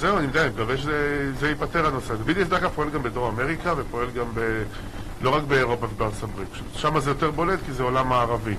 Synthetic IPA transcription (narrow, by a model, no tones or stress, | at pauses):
zeuanimd̪animekaveʃezezeipat̪eʁhano̞set̪ebid̪iesd̪aʁkapo̞e̞lɡambed̪o̞ʁame̞ʁikave̞po̞e̞lɡambe | lo̞ʁakbe̞ːʁo̞pavebeotostabʁitpḁʃut̪ʃamazejo̞t̪e̞ʁbo̞le̞tkizeolamaːʁavi